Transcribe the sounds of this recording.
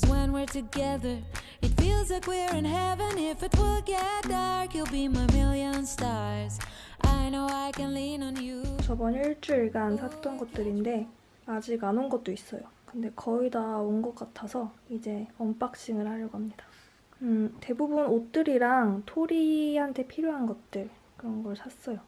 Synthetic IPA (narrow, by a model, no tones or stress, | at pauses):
wə̃nwɪɹtɨɡɛðə˞ | ɨtfilˠzakwɪɹɨ̃nɦɛvɨ̃nɪfɨt̚wɪlˠɡɛt̚d̥ʌɹkjɨlˠbimaɪmɪlˠjə̃nstɑɹz | ʔaɪnoʊaɪkɨ̃nlĩnə̃njut͡ɕʌbʌniɭt͡ɕ͈ɯɭɡansʰat͈ʌnɡʌt̚t͈ɯɾinde̞ | ad͡ʑiɡanonɡʌt̚t͈ois͈ʌjokɯnde̞kʌidaonɡʌk͈atʰasʰʌid͡ʑe̞ʌmp͈ak̚t͡ɕ͈iŋɯɭhaʎjʌɡoɦamɲidḁ | ɯte̞bubunot͈ɯɾiɾaŋtʰoɾihantʰe̞pʰiɾjoɦanɡʌt̚t͈ɯɭ | kɯɾʌnɡʌɭsʰas͈ʌjo